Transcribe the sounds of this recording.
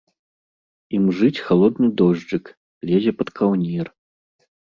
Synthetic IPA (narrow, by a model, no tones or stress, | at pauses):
imʐɨt͡sʲxalˠɔd̪nɨd̪ɔʐd͡ʐɨk | lʲezʲɛpɐt̪kʰawnʲir